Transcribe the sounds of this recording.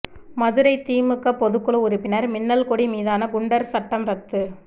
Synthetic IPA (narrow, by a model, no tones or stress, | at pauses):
mɐðɯɾɐɪt̪iːmɯkːɐpːɔðɯkːɯɭɯʊɾɪpːɪnɐɾmɪnːɐlkɔɽimiːðaːnɐɡʊɳɖɐɾsɐʈːɐmɾɐt̪ːɯ